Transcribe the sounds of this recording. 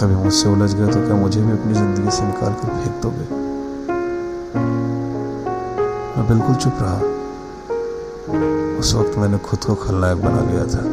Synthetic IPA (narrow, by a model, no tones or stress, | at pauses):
kɐbʱimʊd͡ʒseoləd͡ʒɡɐet̪okjamʊd͡ʒʱebʱiɐpnizɪ̃nd̪əɡisenɪka̰ːlkɐɾbʰʱeːɡt̪oɡeː | mɛ̃bɪlkʊlt͡ʃʊpɾɐɦa̰ | ʊswɐkt̪mɛ̃ːnekʰʊd̪kokʰɐlnajekbɐna̰ɡɐja̰t̪ʰaː